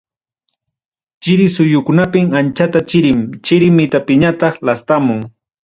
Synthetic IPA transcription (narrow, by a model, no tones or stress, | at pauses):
t͡ʃɪɾɪsʊjʊkʊnapɪmant͡ʃat̪at͡ʃɪɾɪmt͡ʃɪɾɪmɪt̪apɪɲat̪ɑχlast̪amʊŋ